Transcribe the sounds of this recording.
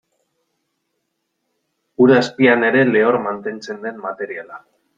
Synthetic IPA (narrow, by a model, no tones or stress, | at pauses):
uɾaspiane̞ɾe̞le̞o̞ɾmant̪e̞nt͡se̞nd̪e̞mmat̪e̞ɾiala